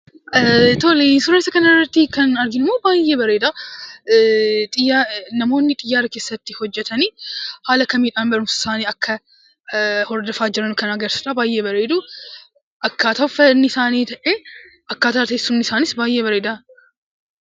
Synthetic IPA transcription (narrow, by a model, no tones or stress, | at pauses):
t̪ɔlinsʊɾeːsɐkɐnɐɪrːɐt̪ːɪkɐnɐɾɡɪnɪmːoːbaːjeːbɐɾeːd̪a | t̪ʼɪjanɐmo̞ːnːɪt̪ʼɪjːaːɾɐke̞ːsːɐt̪ːɪhɔd͡ʒːɛt̪ɐniːhaːlɐkɐmiːᶑaːnbɐɾʊmsɐsaːniːɐkːɐ | hɔɾd̪ɐfaːd͡ʒɪɾɐnʊkɐnɐɡɐɾsɐᶑaːbaːjeːbɐɾeːd̪ʊ | ʔɐkːaːt̪ɐfɐnːɪsaːniːt̪ɐʔe | ʔɐkːaːt̪aːt̪eːsːʊnːɪsaːnɪsbaːjʔeːbɐɾeːd̪a